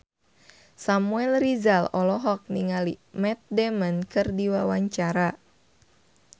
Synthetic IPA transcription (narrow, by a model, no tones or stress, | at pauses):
samuɛlrizalɔlɔɦɔk̚niŋalimɛt̪̚dɛmənkɨrdiwawaɲt͡ʃaɾa